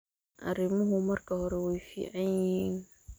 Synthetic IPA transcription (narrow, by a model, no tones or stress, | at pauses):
ʔɐ̰ɾɪmʊɦʊmɐrkʰɐhɔɾɛwɛjfḭːʕɑjɪhiːn